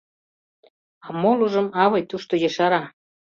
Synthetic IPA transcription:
ɑmoluʒə̆mɑβɤjt̪uʃt̪ojeʃɑɾɑ

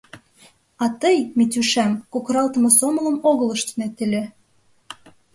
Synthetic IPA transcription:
ɑt̪əjmit̪yʃæmkokɾɑlt̪ə̆mɤ̆somə̆lə̆moɣələ̆ʃt̪ənet̪elʲe

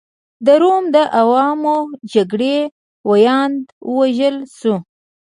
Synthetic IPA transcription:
d̪əɾomd̪əʔawɑmod͡ʒaɡɽe | wajɑnd̪wəwaʒəlsu

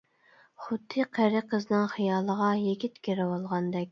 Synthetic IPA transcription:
χʊd̪ːɨqʰæɾɪqʰəznɨŋχijɑːlˠəʁɑjeɡʲit̪kʲeɾɪwolˠʁɑnd̪ɛk̚ʲ

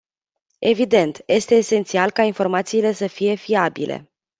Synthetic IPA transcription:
e̞vid̪e̞nt̪je̞st̪e̞ːse̞nt̪sialkainfo̞rmat̪siːle̞səfije̞fiabḭlʔe̞̰

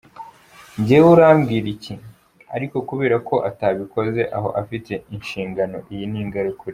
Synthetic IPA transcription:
ɲɟewuɾaːmɡiːɾici | aɾiko̞kuβe̞ːɾako̞ʔataːβiko̞ze̞ʔaɦo̞̰ʔafitʰe̞inʃiːŋɡano̞ʔijiniːŋɡaɾekuɾi

